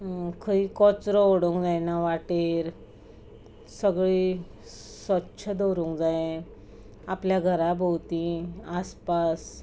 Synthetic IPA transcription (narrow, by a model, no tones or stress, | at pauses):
kʰəikɔt͡sɾɔoɽũŋkd͡zajnaʋaʈeɾ | səɡɭi | sʋətːɕʰəd̪oɾũŋkd͡zajẽ | apljaɡʱəɾabʱowt̪ĩaspas